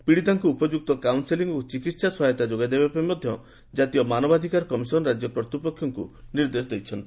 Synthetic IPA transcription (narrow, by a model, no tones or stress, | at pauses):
piɽit̪aŋkuːpɔd͡ʒuk̚t̪ɔkawnseliŋɡot͡ʃikit̪saswɦajɔt̪ad͡ʒoɡad̪ebapmɔd̪ʱjɔ | d͡ʒat̪ijɔmanɔbad̪ʱikaɾkɔmisɔnɔɾad͡ʒjɔpɾɔt̪ipɔkʰjɔŋkṵniɾd̪esɔd̪ejt͡ʃʰɔnt̪i̥